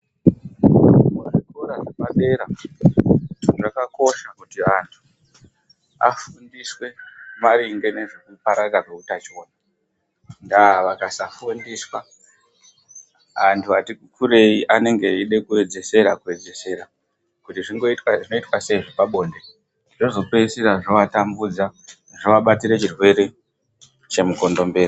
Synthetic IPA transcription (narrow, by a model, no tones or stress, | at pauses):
mwariɡʱoɾaʐemaɓe̞ɾa | tunʐakako̞ʃakutiantʰu̥ | a̰fundiswe̞maɾiŋɡe̞ne̞ʐikupaɾakaʐeutat͡ʃo̞ːna | ndaaʋakasafundiːswa | ʋantʰuatikukʰuɾe̞iʔane̞ŋɡe̞iɗe̞kue̞d͡ze̞se̞ɾakue̞d͡ze̞se̞ɾa | kutiʐiŋɡotʐino̞itwase̞iʐopaɓo̞ːnde̞ | ido̞zo̞keisiɾaʐoʋatambud͡za | ʐoʋaɓatiɾe̞t͡ʃirwe̞ɾe̞ | t͡ʃe̞muko̞ndo̞mbe̞ːri